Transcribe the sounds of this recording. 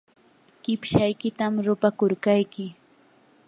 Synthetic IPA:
ɢ̥ɪpʃajkɪt̪amɾʊpakʊɾkajkɪ

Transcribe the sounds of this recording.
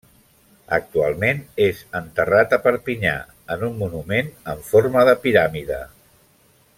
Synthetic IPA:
ə̰k̚t̪ua̰lˠmenezənt̪ərat̪əpəɾpiɲa̰ | ənumːunumenəɱfoɾməðəpiɾamiðə̰

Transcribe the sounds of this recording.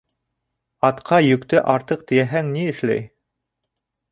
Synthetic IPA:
ɑt̪qʰɑjɵ̆kt̪ɘʔɑɾt̪ɤq̚t̪ɘ̆jæɦæŋniɘ̆ʃlæ̰j

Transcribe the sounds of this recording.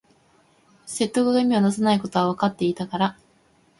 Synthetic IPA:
se̞t̪ːo̞kɯ̟ɡaimʲionasanaiko̞t̪o̞βaβakat̪ːe̞it̪akaɾa

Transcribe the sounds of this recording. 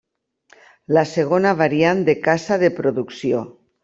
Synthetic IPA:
laseɣonaβ̞aɾiand̪ekasaðepɾoðuksjo

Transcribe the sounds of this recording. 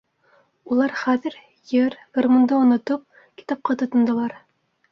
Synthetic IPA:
ulˠɑɾχæðɘ̆ɾ | jɘɾɡ̥ormond̪ɤŏnŏt̪ɤp̚ | kʲi̥t̪ɑp̚qɑt̪ŏt̪ŏnd̪ɤ̆lˠɑɾ

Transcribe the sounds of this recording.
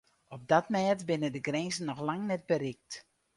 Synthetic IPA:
ɔp̚datmɛːtbɪnədəɡrɛzən̩ːɔxlaŋnɛt̚bəɾɪk̚t

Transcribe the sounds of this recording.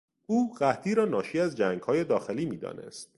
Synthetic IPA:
ʔuːɢæt̪ʰiːɾɒːnɒːʃiːæzd͡ʒæŋɡ̥hɒːje̞d̪ɒːxe̞liːmiːd̪ɒ̰ːnʔe̞̰st̪

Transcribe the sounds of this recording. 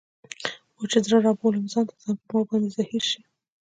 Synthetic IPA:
wot͡ʃezɾaɾɑbolɪmzɑnt̪azanpəmabɑnd̪ezahiɾʃi

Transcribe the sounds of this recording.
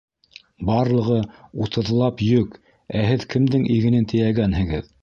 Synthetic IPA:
bɑɾlˠɤ̆ʁɤut̪ɤ̆ðlˠɑpjɵk | æhɘðkɘ̆md̪ɘŋʔiɡɘ̆nɘnt̪ʰɘ̆j̪æɡænhɘ̆ɡɘð

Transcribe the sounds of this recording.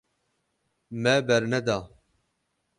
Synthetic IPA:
mɛbɛɾnɛd̪aː

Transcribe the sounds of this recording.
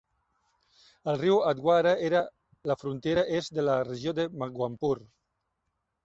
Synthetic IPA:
əlriwad̪̚ɡwaɾaeɾa | lafɾunt̪eɾaʔezd̪elareʒjod̪emaɡwampuɾ

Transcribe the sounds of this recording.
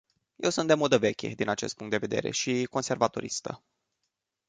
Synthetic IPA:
je̞wsunt̪d̪emo̞d̪əve̞kʲe̞̰d̪inat͡ʃe̞st̪̚puŋkt̪d̪eve̞d̪e̞̰ɾe̞̰ʃiko̞nse̞rvat̪o̞ɾḭst̪ə̰

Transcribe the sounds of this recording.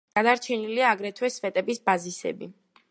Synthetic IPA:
ɡ̥ad̪aɾt͡ʃʰɛniliaːɡɾɛt̪ʰwɛsfɛt̪ʼɛbisbazisɛ̰bḭ

